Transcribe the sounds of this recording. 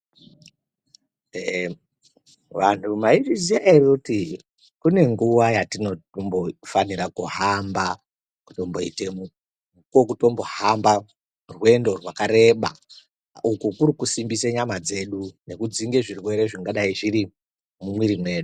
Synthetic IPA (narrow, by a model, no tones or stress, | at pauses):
e | ʋantʰumaiʐizijairikuti | kune̞ŋɡuʋajatino̞ombofaniɾakuɦamba | ku̥to̞mboḭtemu | uko̞k̬uto̞mbo̞hamba | rwe̞ndo̞rwakaɾe̞ɓa̰ | ukukuɾikusimbiseɲamad͡ze̞ɗune̞kud͡ziŋɡe̞ʐirwe̞ɾe̞ʐiŋɡaɗaiʐiɾi | mumwiɾimwe̞ːɗu